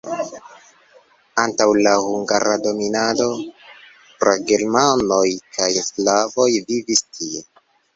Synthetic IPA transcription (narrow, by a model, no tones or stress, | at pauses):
antawlahuŋɡaɾado̞minado̞ | pɾaɡe̞ɾmano̞jkʰajslavo̞jvivistie̞